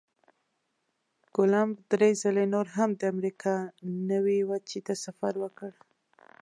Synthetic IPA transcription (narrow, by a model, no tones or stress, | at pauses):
ɡ̥ʊlambd̪ɾezalenoɾɦamd̪əamɾikʰɑnəwiwat͡ʃit̪asafaɾwəkəɽ